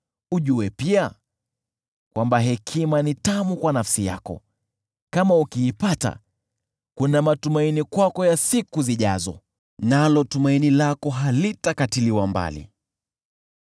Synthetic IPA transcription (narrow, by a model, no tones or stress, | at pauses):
uʄuɛpia | kwambaɦɛkʰimanitamukwanafsija̰kɔ̰ | kamaukiːpata̰ | kunamatumainikwakɔjasikuziʄa̰zɔ̰ | nalɔtumainilakɔɦalitakatiliwamba̰lḭ